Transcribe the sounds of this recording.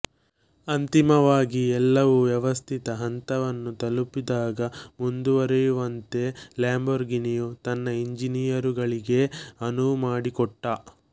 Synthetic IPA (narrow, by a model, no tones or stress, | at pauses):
ɐnt̪imɐʋaːɡiɛlːɐʋuʋjɛʋɐst̪ʰit̪ɐɦɐnt̪ɐʋɐnːut̪ɐlupid̪aːɡɐmund̪uʋɐɾɛjuʋɐnt̪e̞ljaːmbɐɾɡinijut̪ɐnːɐiɲd͡ʒinijɐɾuɡɐɭiɡe̞ɐnumaːɽikɔʈːɐ